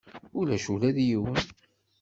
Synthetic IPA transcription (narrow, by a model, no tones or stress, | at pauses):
ʊlæʃulæðjiwən